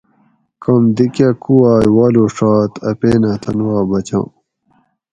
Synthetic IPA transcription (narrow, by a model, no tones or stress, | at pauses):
kɐmd̪ikjakuwaːjwaːloːʂaːt̪ɐpeːnaːt̪ʰɐnuwaːbɐt͡ɕã̰ː